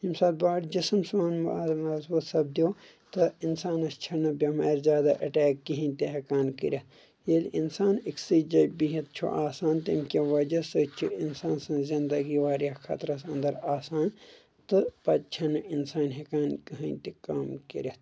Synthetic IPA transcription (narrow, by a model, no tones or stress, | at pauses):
imsaːd̪̚baːɽd͡ʒismsaːnmmɐzbuːt̪sɐb̚d̪ijoː | t̪ɨinsaːnɐst͡ʃʰɐnɐbʲɐmɐːɾzʲjaːd̪aʔɐʈɛːkːiɦĩnʲt̪eɦɐkaːnkḭɾʲɐt̪ | jelinsaːniksiːd͡ʒɐjbiɦɐt̪̚t͡ʃʰṵʔaːsaːnt̪imkʲɐʋɐd͡ʒɐsɨt͡ʃʰiinsaːnsɐ̃nzind̪ɐɡiʋaːɾjɐkʰɐ̰t̪ɾɐsɐ̃nd̪ɐɾaːsaːn | t̪ɨpɐt̪̚t͡ʃʰɐnɨinsaːnɦɐkaːnkiɦɐnʲt̪ikaːmkḭɾʲɐt̪